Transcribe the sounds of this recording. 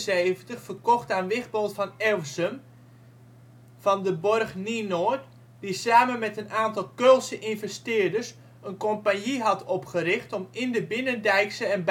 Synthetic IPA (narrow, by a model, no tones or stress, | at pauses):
seːvəntəxfərkɔxtaːnʋɪxbolˠtfɑnɛlˠsəm | fɑndəbɔrχninoːət | d̥isaːmənmɛtənaːntɑlˠkølˠsəʔinvɛstɪərdərs | ənkompanjiɦɑtʰɔpχərɪxtɔmɪndəbɪnəndɛjksəɛnb